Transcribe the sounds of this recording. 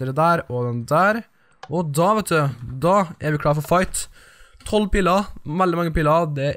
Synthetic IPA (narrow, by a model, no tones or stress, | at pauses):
əɾəd̪æːɾɔd̪ɛnd̪æːɾ | ɔd̪ɑːʋɛt̪d̪ʉd̪ɑːɛɾʋɪkʰlɑːɾfɔfɑɪt̪ʰ | ɔlːpiːlɑʋɛld̪ɪmɑŋːəpiːlɑd̪ɛ